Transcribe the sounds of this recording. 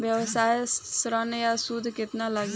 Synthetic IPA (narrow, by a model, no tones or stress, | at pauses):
bjəwsajsɾənjasud̪ʱket̪nalaɡ